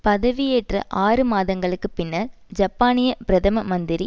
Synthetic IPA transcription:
pɐðɐʋijeːʈrɐ̰ʔaːrɯmaːðɐŋɡɐɭɯkːɯpɪnːɐɾ | d͡ʒɐpːaːnɪjɐpɪɾɐðɐmɐmɐnd̪ɪɾi

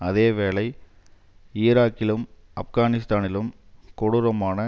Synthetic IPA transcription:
ɐðeːʋeːɭɐɪ | ɪːɾaːkːɪlɯm | ɐfɣaːnɪs̬t̪aːnɪlɯm | kɔɽɯɾɐmaːnɐ

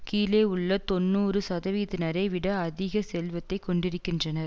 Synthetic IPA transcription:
kiːleːʊɭːɐt̪ɔnːɯːɾɯsɐðɐʋiːðɪnɐɾɐɪʋɪɽɐɐðɪɣɐsɛlʋɐt̪ːɐɪkːɔɳɖɪɾɯkːɪndrɐnɐɾ

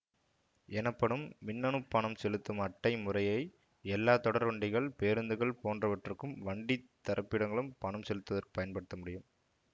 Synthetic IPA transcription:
ɛnɐpːɐɽɯmːɪnːɐnɯpːɐɳɐmsɛlɯt̪ːɯmɐʈːɐɪmʊrɐjɐɪ | ɛlːaːt̪ɔɽɐɾʋɐɳɖɪɣɐɭpeːɾɯnd̪ɯɣɐɭpoːndrɐʋɐʈrɯkːɯmʋɐɳɖit̪ːɐɾʔɐpːɪɽɐŋɡɐɭɯmpɐɳɐmsɛlɯt̪ːɐðɐrkɯ̥pɐjɐnpɐɽɯt̪ːɐmʊɽɪjɯm

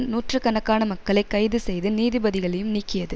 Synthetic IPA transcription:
nuːʈrɯkɐnɐkːaːnɐmɐkːɐɭɐɪkːɐɪðɯsɛjðɯniːðɪbɐðɪɣɐɭɐjɯmniːkːɪjɐðɯ

